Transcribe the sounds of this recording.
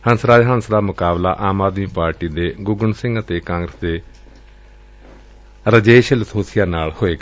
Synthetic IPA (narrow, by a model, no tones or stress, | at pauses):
hənsɾaːd͡ʒɦə̃nsɾaːmʊkaːbla̰ːʔaːmaːd̪miːpaːɾʈiːd̪eːɡʊɡəɳsɪ̃ŋɡət̪eːkãːŋɡɾəsd̪eː | ɾəd͡ʒeːʃɪlt̪ʰoːsɪjaːnaːɭhoːeːɡa